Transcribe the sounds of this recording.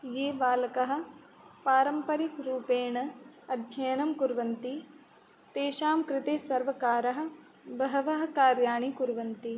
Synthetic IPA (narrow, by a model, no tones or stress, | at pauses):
jeːʋaːlɐkɐɦɐ̆ | paːɾɐmpɐɾikɾuːpeːɳɐɐd̪ʱjɐjɐnɐmkuɾʋɐnt̪i | t̪eːʃaːmkɾɪt̪eːsɐɾʋɐkaːɾɐɦɐ̆ | bɐɦɐʋɐɦɐ̆kaːɾjaːɳikuɾʋɐnt̪i